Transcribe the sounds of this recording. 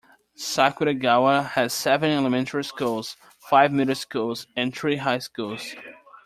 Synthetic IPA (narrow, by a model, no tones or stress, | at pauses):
sakwɨɾɨɡawəhɨz̥sɛvɨ̃nɛləmɛ̃ntʰəɹiskulˠz̥ | faɪvmiɾə˞skulˠz̥ɨ̃nθɹiɦaɪskulˠz̥